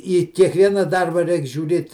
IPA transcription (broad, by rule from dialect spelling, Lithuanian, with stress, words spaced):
iː kʲiɛkˈʋʲiɛnɐ ˈdɐrbɐ ˈrʲɛɪk ʒʲuːˈrʲeːt